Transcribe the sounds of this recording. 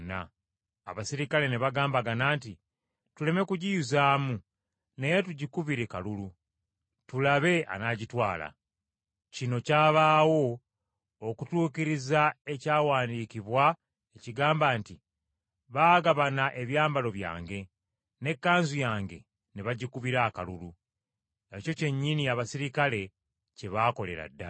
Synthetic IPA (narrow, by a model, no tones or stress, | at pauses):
na̰ː | βasiɾikale̞neβaɡaːmbaɡanaːnti | tule̞me̞kuɟijuzaːmu | ne̞jetuɟikuβiɾikalulu | tulaβe̞a̰naːɟitwaːla̰ | cino̞caːβaːwo̞ː | kutuːkiɾizae̞caːwaːndiːkiβwa | eciɡaːmbaːnti | βaːɡaβanaʔe̞βjaːmbalo̞βja̰ːŋɡe̞ | ne̞kːaːnzujaːŋɡe̞̰ | neβaɟikuβiɾaːka̰lulu | eco̞ce̞ɲːiniaβasiɾikale̞ | ce̞βaːko̞le̞̰ɾa̰dːa̰